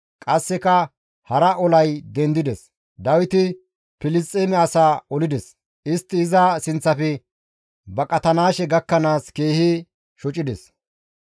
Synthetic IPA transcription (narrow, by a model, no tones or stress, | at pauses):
kʼɐsːɛkɐ | hɐɾɐʔɔlɐjd̪ɛnd̪ɪd̪ɛs | d̪ɐwɪt̪ɪ | pɪlɪst̪ʼːeːmɛɐsaːɔlɪd̪ɛs | ɪst̪ːɪːzɐsɪnt͡sːɐfɛ | bɐkʼɐt̪ɐnaːʃɛɡɐkːɐnaːske̞ːhi | ʃɔt͡ʃʼɪd̪ɛs